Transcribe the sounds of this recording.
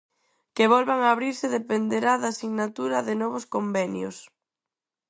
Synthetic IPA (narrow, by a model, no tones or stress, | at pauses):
keβɔlβaŋaːβɾiɾsɪðepend̪eɾaðaːsiɣnat̪uɾɐðɪnɔβ̞ʊskombɛnjo̰s